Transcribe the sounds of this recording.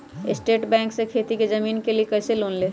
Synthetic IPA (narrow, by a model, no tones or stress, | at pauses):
ɪsʈeːʈbɛ̃ːŋksekʰet̪iked͡ʒəmiːnkeliekəɪselonle